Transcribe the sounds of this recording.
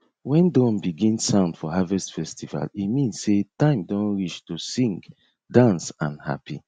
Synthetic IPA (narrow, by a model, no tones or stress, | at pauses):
wɛ̃ndɔ̃nbiɡĩnsãʊ̃nd̥fɔɦavɛstfɛstiva̰limĩnsetãɪ̃mdɔ̃nɹiʃtusĩŋɡ | dãnsãnha̰pḭ